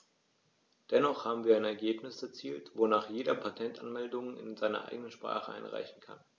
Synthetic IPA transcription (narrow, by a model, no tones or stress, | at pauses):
d̥ɛnɔχhaːbm̩viːɐaɪnɛɐɡeːpnɪsɛɐt͡siːltvonaːχjeːdɐpʰatʰɛntʔa̰nmɛldʊŋɪ̰nzaɪnɐ̰ʔa̰ɪɡənənʃpʁ̥a̰ːχəʔa̰ɪnʁa̰ɪçn̩kʰa̰n